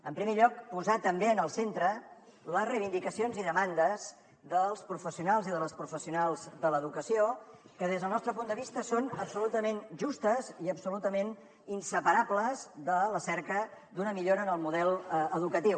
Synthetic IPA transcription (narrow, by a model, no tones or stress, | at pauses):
əmpɾimeʎɔk̚puzat̪əmbeənəlˠsent̪ɾə | ləzrəjβind̪ikəsionziðəmand̪əz | ðəlˠspɾufəsiunalˠziðələspɾufəsiunalˠzðələðukəsiokəð̞ezðəlˠnɔst̪ɾəpund̪əβ̞ist̪əsonəpsulut̪əmenʒust̪əziəpsulut̪əmen | insəpəɾabləzðələsɛɾkəd̪unəmiʎoɾəːnəlˠmuðɛlˠəðukət̪iw